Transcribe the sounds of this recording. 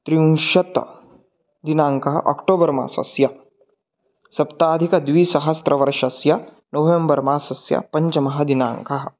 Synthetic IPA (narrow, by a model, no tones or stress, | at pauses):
t̪ɾiũnʃɐt̪ | d̪inaːŋkɐɦɐ̰ʔɔ̰kʈoːbɐɾma̰ːsɐ̰sjɐ | sɐpt̪aːd̪ʱikɐd̪ʋiːsɐɦɐst̪ɾɐʋɐɾʃɐsjɐ | noːʋembɐɾmaːsɐsjɐ̰pɐɲt͡ʃɐmɐɦɐd̪inã̰ːŋkɐɦɐ̆